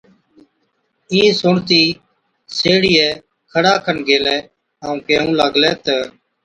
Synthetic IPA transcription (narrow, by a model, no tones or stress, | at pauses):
ĩːsʊɳt̪iː | seːɽiːɛː | kʰəɽaːkʰənɡeːlɛː | ɦaːũːkeːɦũːləɡlɛːt̪ɛː